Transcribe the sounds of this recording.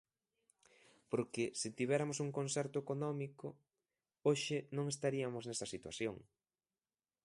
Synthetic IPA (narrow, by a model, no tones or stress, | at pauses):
poɾkɪsɪt̪iβ̞ɛɾamosuŋkonsɛɾt̪ʊekonɔmikʊ | oʃɪnõŋes̬t̪aɾiɐmoznɛsɐsit̪wa̰θjoŋ